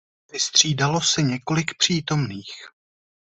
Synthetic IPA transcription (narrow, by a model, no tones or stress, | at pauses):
vɪst̪r̝̥iːdalo̞sɛɲɛko̞lɪkpr̝̥iːt̪o̞mniːx